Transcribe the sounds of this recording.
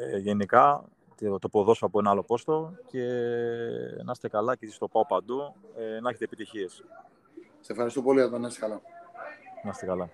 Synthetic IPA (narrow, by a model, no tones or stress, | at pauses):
eʝe̞nikɐ | t̪t̪o̞po̞ðo̞soɐpoenɐɐlo̞po̞st̪o̞ce̞ | nɐst̪e̞kɐlɐcesist̪o̞pɐopɐnd̪uenɐçet̪eːpit̪içie̞s | sefxɐɾist̪opo̞liʝɐt̪onɐst̪ekɐlɐ | nɐst̪ekɐlɐ